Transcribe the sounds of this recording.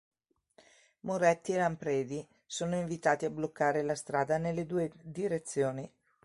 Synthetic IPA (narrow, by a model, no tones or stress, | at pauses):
moɾɛt̪ːielampɾɛːd̪i | soːnoiɱvit̪aːt̪iablokːaːɾelast̪ɾaːd̪anelːed̪uːed̪iɾet̪sːjoːni